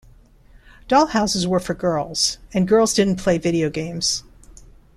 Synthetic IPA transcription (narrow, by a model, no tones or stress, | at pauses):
d̥ɔlˠhaʊsɨzwə˞fə˞ɡɜ˞lˠz̥ɨ̃nɡɜ˞lˠzdɪdⁿn̩pʰl̥eɪvɪɾioʊɡẽɪ̃mz̥